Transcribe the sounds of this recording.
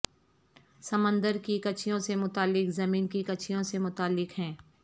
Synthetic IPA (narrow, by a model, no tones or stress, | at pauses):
sɐmə̃nd̪əɾkikɐt͡ʃʰijõsemʊt̪aːlːɪkzɐmiːnkikɐt͡ʃʰijõsemʊt̪aːlːɪkɦɛ̃ː